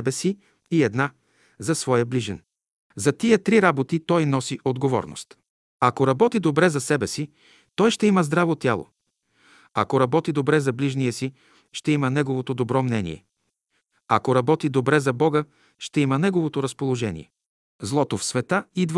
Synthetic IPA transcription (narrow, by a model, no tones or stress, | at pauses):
ɛbɛsi | iɛd̪na | zɐsvɔjəbliʒɛn | zɐt̪iət̪ɾiɾabot̪it̪ɔjnɔsiʔod̪ɡovɔ̰ɾno̰st̪ | ɐkoɾɐbɔt̪id̪obɾɛzɐsɛbɛsi | t̪ɔjʃt̪ɛiməzd̪ɾavot̪ʲjalˠo̰ | akoɾɐbɔt̪id̪obɾɛzɐbliʒnijəsi | ʃt̪ɛimənɛɡovot̪od̪obɾɔmnɛnḭɛ̰ | ɐkoɾɐbɔt̪id̪obɾɛzɐbɔɡə | ʃt̪ɛimənɛɡovot̪oɾɐspolˠoʒɛnḭɛ̰ | zlˠɔt̪ofsvɛt̪aid̪v